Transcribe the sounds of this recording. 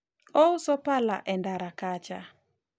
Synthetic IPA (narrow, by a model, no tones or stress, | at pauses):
ɔusɔpala̰ʔɛndaɾakat͡ʃa